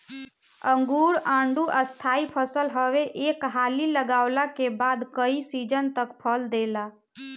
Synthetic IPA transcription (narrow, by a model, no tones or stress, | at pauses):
əŋɡuɾãːɳɖuʔəst̪ʰaipʰəsəlɦəʋeʔekɦaliləɡaʊlakebad̪kəisid͡ʒənt̪əkpʰəld̪ela